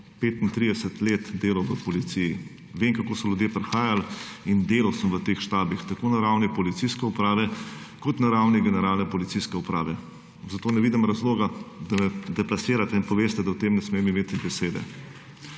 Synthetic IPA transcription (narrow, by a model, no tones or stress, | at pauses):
peːt̪int̪ɾid̪ɛsət̪leːt̪d̪eːlɐwʋəpɔlit̪siji | ʋemkakoːsɔljud̪jepɾɛxaːjalind̪eːlawsəmʋət̪eːxʃt̪aːbixt̪akoːnaɾawnipɔlit̪siskɛupɾaːʋɛkɔt̪naɾawniɡɛnɛɾaːlnɛpɔlit̪siskɛupɾaːʋɛ | zat̪oːnɛʋiːd̪imɾɐzloːɡad̪amɛd̪ɛplasiːɾat̪ɛinpɔʋeːst̪ɛd̪ɐwt̪emnɛsmeːmimeːt̪ibɛseːd̪ɛ̰